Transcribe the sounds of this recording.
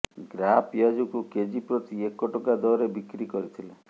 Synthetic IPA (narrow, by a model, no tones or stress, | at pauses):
ɡɾapjad͡ʒɔkuked͡ʒipɾɔt̪iekːɔʈɔkad̪ɔɾebikɾikɔɾit̪ʰile